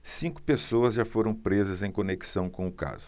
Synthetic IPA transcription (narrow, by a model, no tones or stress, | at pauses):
sĩkʊ̥pesowɐzʒafoɾɐ̃w̃pɾezɐzẽj̃koneki̥sɐ̃w̃kõʊka̰zʊ